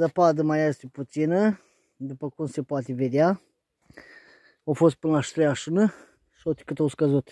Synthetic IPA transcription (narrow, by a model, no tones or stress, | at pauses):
zəpad̪əmajajest̪eput̪sinə | d̪upəkumse̞poat̪eved̪ea | awfo̞st̪̚pɨnəlaʃt̪ɾejaʃunə | ʃi̥ot̪i̥kɨt̪awskəzut̪